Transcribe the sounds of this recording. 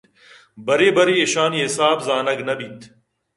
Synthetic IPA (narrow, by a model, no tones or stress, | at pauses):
bɐɾeːbɐɾiːeʃaːniːɦɪsaːbzaːnɐɡnɐbʱit̪ʰ